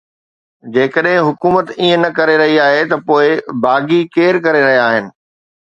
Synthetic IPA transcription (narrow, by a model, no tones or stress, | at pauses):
d͡ʑeːkəɗɦɪ̃ɦʊkuːmət̪iə̃nɐkɐɾeɾɐɦiaːɦet̪ɐpoːɪbaːɡikeːɾkɐɾeɾɐɦijaaːɦɪnɪ̆